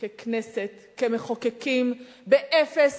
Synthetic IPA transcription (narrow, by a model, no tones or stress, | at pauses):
kekneset̪kemeχokekim | beʔefes